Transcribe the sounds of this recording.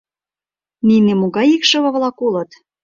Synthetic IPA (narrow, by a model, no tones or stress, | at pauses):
ninĕmoɣɑjikʃɤ̆βɤ̆βlɑkolɤ̆t̪